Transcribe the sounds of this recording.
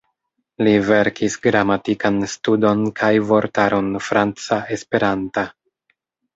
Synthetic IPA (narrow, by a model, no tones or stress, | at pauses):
live̞ɾkʰisɡɾamatikanstudo̞nkʰajvo̞ɾtaɾʔo̞nfɾant͡sae̞spe̞ɾanta